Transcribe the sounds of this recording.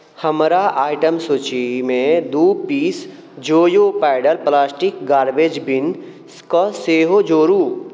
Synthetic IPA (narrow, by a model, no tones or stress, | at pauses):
həmɾaʔaːɪʈəmsut͡ʃimẽd̪uːpiːs | d͡ʒoːjopaɪɖəɾplaːsʈɪkɡaːɾʋed͡ʒbɪn | skɔseːɦod͡ʒoːɾuː